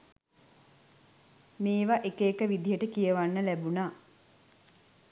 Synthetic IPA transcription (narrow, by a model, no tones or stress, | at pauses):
meːʋaʔekeːkəʋid̪ijəʈəkijəʋanːəlæbunaː